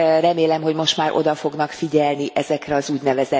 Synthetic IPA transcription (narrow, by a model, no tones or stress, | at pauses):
rɛmeːlɛmɦoɟmo̞ʃt̪maːɾʔo̞̰d̪ɒfo̞ɡn̪ɒkfiɟɛlniʔɛzɛkrɛɒzuːɟnɛvɛzɛ